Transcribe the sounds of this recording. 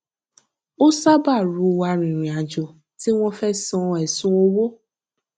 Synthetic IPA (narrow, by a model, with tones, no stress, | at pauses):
o˦sa˦ba˦˨ɾu˨wa˨ɾĩ˨ɾĩ˨a˨d͡ʒo˨ | ti˦ŋʷɔ̃˦fɛ˦sɔ̃˨˦ɛ˨sʊ˦o˦wo˦